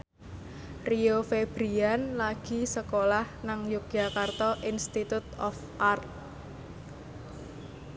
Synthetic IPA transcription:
riofeb̥ɾianlaɡ̥i̤səkolahnaŋjuk̚jakart̪ɔʔinst̪it̪ut̪ɔf | ʔart̪̚

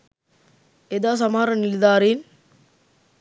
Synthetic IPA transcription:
ed̪aːs̬ɐmaːɾɐnɪlðaːɾin

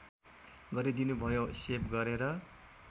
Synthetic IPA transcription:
ɡʌɾid̪inubʱʌjosepɡʌɾeɾʌ

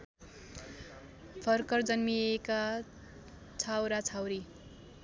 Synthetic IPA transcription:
pʰʌrkʌrd͡zʌnmieka | t͡sʰawɾat͡sʰawɾi

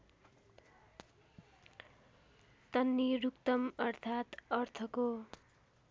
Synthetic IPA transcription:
t̪ʌnːiɾukt̪ʌmʌrt̪ʰat̪ʌrt̪ʰʌko

